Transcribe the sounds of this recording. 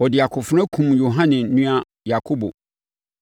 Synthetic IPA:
ɔ˨dɪ˨a˨kʰʊ˨fɾ̃ã˦kʰũ˨mjo˨ɦã˦nɪ̃˨˦nũ˦a˦ | ja˨kʰo˦bo̰˨

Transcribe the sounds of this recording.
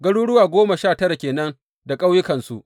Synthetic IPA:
ɡɐ˦ɽuː˦ɽʊ˦waː˨ɡʷoː˦ma˨ʃaː˦˨tɐ˦ɾa˨kʲeː˨nɐ˦n | da˨kʼa˦wjɪ˦kɐ˨nsu˦ʔ

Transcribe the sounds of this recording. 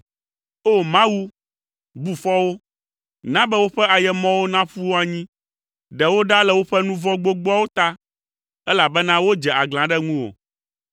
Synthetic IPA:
o˦mã˦wu˦ | bu˨fɔ˦wo˦ | nã˦bɛ˦wo˦ɸɛ˦a˨jɛ˨mɔ̃˦wo˦nã˦ɸu˦wo˦a˨ɲĩ˦ | ɖɛ˨wo˦ɖa˦lɛ˨wo˦ɸɛ˦nũ˦vɔ̃˦ɡ͡bo˦ɡ͡bɔ˦a˦wo˦t̪a˦ | ɛ˦la˨bɛ˦nã˦wo˦d͡ʒɛ˨a˨ɡl̃ã˨ɖɛ˦ŋũ˦wo̰˨

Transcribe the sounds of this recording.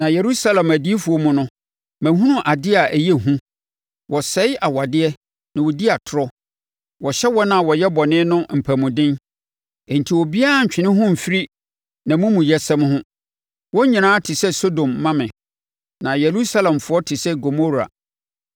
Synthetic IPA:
nã˨je˨ɾu˦sa˦lã˨mæ˨di˦fu˨ɔ˦mũ˦nʊ̃˦ | mæ̃˨ɦũ˦nʊ̃˦ʔa˨dɪ˦a˨ʔæ˨jɛ˦˨ɦũ˦ | wɔ˨sɛ˨˦ɪ˦ʔa˨wa˨dɪ˦ɛ˦ | nã˨wɔ˨di˦a˨tʰʊ˨ɾɔ˦ | wɔ˨ɕɛ˦wɔ˦nã˨wɔ˨jɛ˦bɔ˨nɪ̃˦nʊ̃˦m̩˨pʰæ˨mʊ̃˨dɪ̃˦n | ɛ˨n̩˨tʰi˨wɔ˨bi˦a˦˨ɲ̩˨t͡ɕᶣɪ̃˨nɪ̃˦ɦʊ̃˦m̩˨fi˦ɾi˦ | nã˨mũ˦mũ˨jɛ˨sɛ̃˦m˦hʊ̃˦ | wɔ˦ɲĩ˨nãː˦tʰɪ˨sɛ˦so˦dõ˨mːã˦mɪ̃˨ | nã˨je˨ɾu˦sa˦lã˨mfʊ˨˦ɔ˦tʰɪ˨sɛ˦ɡo˨mo˦ɾa̰˨

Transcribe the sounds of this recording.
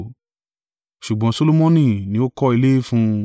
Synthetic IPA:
ʃu˨ɡ͡bɔ̃˨˧˦so˦lo˦mɔ̃˦nĩ˦˨nĩ˧˦o˦kɔ˦i˧le˦e˦fũ˦

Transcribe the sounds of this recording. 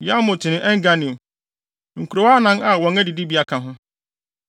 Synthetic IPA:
ja˦mʊ̃˨tʰɪ˨nɪ̃˦ʔɛ˦ŋ̩˦ɡa˦nĩ˨ | ŋ̩˨ku˨ɾo˨wa˦nã˦ŋa˨wɔ̃˨ŋɛ˦dɪ˨di˦bi˨˦a˦kʰã˨ɦʊ̃˦

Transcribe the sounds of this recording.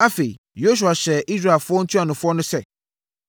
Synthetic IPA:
a˦fe˨ḭ˨ | jo˦s̬u˨a˨ɕɛ˨ʔi˦s̬ɾa˨lfʊ˦ɔ˦n̩˦tʰu˦a˨nʊ̃˨fʊ˦ɔ˦nʊ̃˦sɛ˦

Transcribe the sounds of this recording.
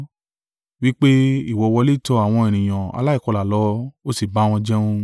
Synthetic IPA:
wi˦k͡pe˦i˦˨wɔ˨˧wɔ˧le˦˨tɔ˧a˨w̃ɔ̃˧e˨ñĩ˨j̃ã˨a̰˧la˦i˦˨kɔ˧la˨lɔ˨˦o˦si˨ba˨˦w̃ɔ̃˧d͡ʒɛ˦ũ˦

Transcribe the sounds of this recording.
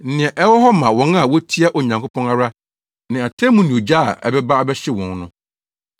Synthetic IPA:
n̩˦nɪ̃˨ɛ̃˨ʔɛ˦wɔ˦ɦɔ˦mã˨wɔ̃˨˦na˨wɔ˦tʰi˦a˦ʔo˨ɲã˨ŋkʰo˦pʰɔ̃˦na˦ɾa˦ | nɪ̃˨a˨tʰɛ˦mũ˦nĩ˨o˨d͡ʑa̰˦˨ʔɛ̰˨bɛ˦ba˦a˦bɛ˦ɕɪ˦wɔ̃˨nnʊ̃˦

